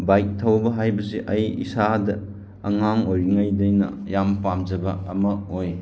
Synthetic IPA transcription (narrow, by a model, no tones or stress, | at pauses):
bajk̚tʰɐwbɐɦajbɐsiʔɐjḭsadɐ | ɐŋaŋojŋajdɐjnɐ̰ | jampamd͡ʒɐbɐːmɐoj